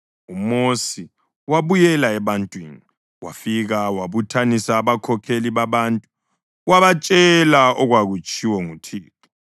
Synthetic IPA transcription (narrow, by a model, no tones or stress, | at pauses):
umosi | waβujɛlaɛβantʼwini | wa̰fiɣawaβutʰanisaːβakʰɔkʰeliβaβaːntʼu | waβat͡ʃʼɛlaɔɣwaɣut͡ʃʼiwɔŋutʰiːt̚ʰɔ̥